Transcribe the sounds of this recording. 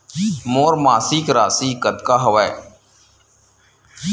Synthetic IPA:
moːɾmaːsiːkɾaːsiːkət̪kaːɦəʋa

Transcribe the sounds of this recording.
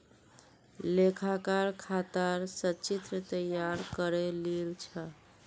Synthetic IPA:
lekʰakaɾkʰat̪əɾsət͡ʃit̪ɾət̪əjaɾkəɾelelt͡ʃʰə

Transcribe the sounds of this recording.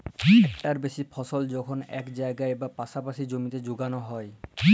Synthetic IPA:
ʈaɾbeʃipʰɔsold͡ʑɔkʰonɛ̰kd͡ʑaeɡaebapaʃapaʃid͡ʑomit̪ed͡ʑoɡanoɦɔe

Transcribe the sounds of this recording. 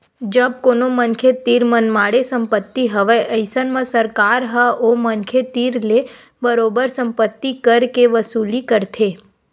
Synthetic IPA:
d͡ʒəb̚konomənkʰet̪iɾmənmaɽesə̃mpət̪ːiɦəʋeʔəɪsənmə̃səɾkaɾɦəomənkʰet̪iɾle | bəɾobəɾsə̃mpət̪ːikəɾkeʋəsuːlikəɾt̪ʰe

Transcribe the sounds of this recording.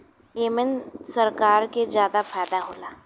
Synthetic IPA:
jeːmɛnsɐɾkaːɾkezjaːd̪afʰaːd̪aɦoːlaː

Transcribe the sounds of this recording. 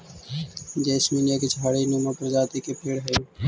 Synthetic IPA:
d͡ʒeːsmiːnjeːket͡ʃʰaːɽiːnũːmãːpəɾzaːt̪iːkeːpʰeːɽɦə

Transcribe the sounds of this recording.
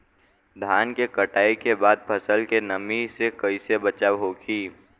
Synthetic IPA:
d̪ʱaːnkekəʈaːikebaːd̪̚pʰəsəlkenəmisekɐisebət͡ʃaːwɦoːɡiː

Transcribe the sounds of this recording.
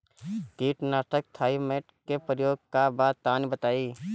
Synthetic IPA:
kiːʈnaːʈək̚t̪ʰaːimeːʈkepɾəjoːɡ̚kabat̪ːaːnbət̪aːiː

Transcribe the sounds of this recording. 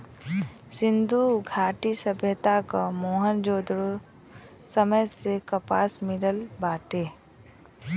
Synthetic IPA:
sɪ̃nd̪uɡʱaːʈisəbʱjət̪akamoːɦənd͡ʒoːd̪ɾo | səməjsekəpaːsmɪləlbaːʈeː

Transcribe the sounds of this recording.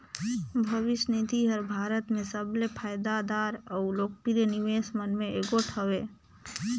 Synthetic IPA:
bʱəʋɪʃnid̪ʱiɦəɾbʱaːɾət̪mẽsəblepʰajd̪ad̪aɾəʊloːk̚piɾeniʋesmənmeeɡoʈʰəʋe

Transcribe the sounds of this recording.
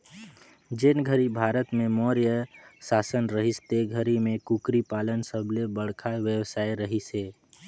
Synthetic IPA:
d͡ʒɪnɡʱəɾibʱaːɾət̪mẽmɔːɾjəsaːsənɾəɦɪst̪eɡʱəɾimẽkukɾipaːlənsəbʱlebəɽ̤kʰaʋjəwsaːjɾəɦiseː

